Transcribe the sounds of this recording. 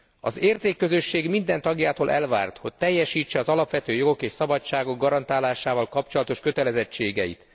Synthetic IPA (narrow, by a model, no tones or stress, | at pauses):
ɒ̰zeːrt̪eːkːø̞zø̞ʃːeːɡmind̪ɛnt̪ɒɡjaːt̪oːlʔɛlva̰ːrt̪ho̞c̚t̪ɛjːɛʃiːt͡ʃːɛɒzɒlɒpʋɛt̪øːjo̞ɡo̞keːʃsɒbɒt͡ʃːaːɡo̞ɡːɒɾɒnt̪aːlaːʃaːvɒlkɒpt͡ʃo̞lɒt̪o̞ʃkø̞t̪ɛlɛzɛt͡ʃːeːɡɛjḭt̪